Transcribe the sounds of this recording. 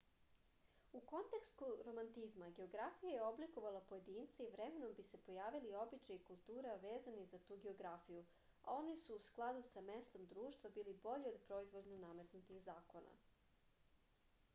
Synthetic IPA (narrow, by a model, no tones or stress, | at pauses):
uko̞nt̪e̞kst̪uɾo̞mant̪izmaɡe̞o̞ɡɾafijajeo̞bliko̞ʋalˠapo̞je̞d̪iːnt̪seiʋɾemenobise̞po̞jaːʋilio̞bit͡ʃajikulˠt̪uːɾaʋe̞ːzanizat̪uːɡe̞o̞ɡɾafiju | ao̞nisuːsklˠad̪usame̞st̪o̞md̪ɾuːʃt̪ʋabiːlibo̞ʎio̞d̪pɾo̞izʋo̞d̪ɲaname̞t̪nut̪ixzaːko̞na̰